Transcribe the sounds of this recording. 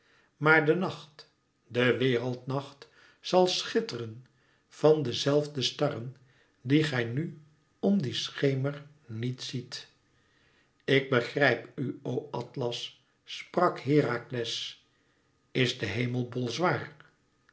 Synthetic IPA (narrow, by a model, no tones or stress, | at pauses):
maːɹdənɑχt | dəʋɪːrəlˠtnɑχt | sɑlˠsχɪtərən | v̥ɑndəzɛlˠvdəstɑrən | diχɛjny | ɔmdisχejməɹ | nitsit | ɪɡ̚bəχrɛjpyowɑtlɑsː | prɑkɦɪːraklɛs | ɪzdəɦejməlˠbolˠzʋaːr